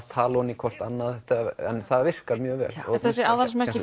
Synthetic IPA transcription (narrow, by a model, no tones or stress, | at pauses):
t̪ʰaːlaunikʰɔr̥t̪anːaðt̪ɛaɛ̰nθaðvɪr̥kaɾmjœːɣvɛ̰ːlɔ̰θɛsɪawðas̬mɛrcɪ